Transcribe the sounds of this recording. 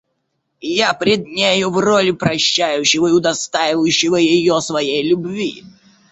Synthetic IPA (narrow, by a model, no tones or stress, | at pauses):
japɾʲɪd̪̚nʲejʊvrolʲɪpɾɐɕːæjʉɕːɪvəɪʊd̪ɐst̪ajɪvəjʉɕːɪvəjɪjosvɐjejlʲʊbvʲi